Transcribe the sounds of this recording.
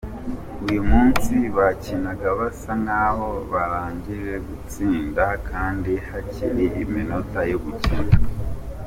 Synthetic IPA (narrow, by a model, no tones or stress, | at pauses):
ujumuːnsiβacinaɡaβasaŋaːβo̞βaɾaːɲɟiɾe̞ɡut͡siːndakʰaːndihaciɾeʔimino̞tajoɡuciɾa